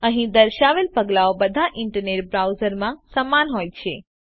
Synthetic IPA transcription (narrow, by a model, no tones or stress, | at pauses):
əɦĩd̪əɾʃaʋelpəɡlaobəd̪ʱaʔɪɳʈəɾneʈbɾawzəɾmãsəmanɦojt͡ʃʰe